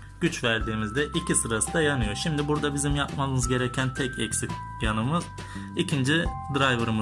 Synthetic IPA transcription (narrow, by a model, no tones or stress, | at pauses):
ɟ̥yt͡ʃvæɾd̪iːmizd̪ɛʔicʰisɯɾasɯd̪ajanɯjo̞ʃimd̪ibuɾd̪abizimjapmalˠɯnɯzɟe̞ɾɛcʰænt̪ʰɛcʰɛcsic | janɯmɯz̥ | icʰind͡ʒid̪ɾajvɯɾm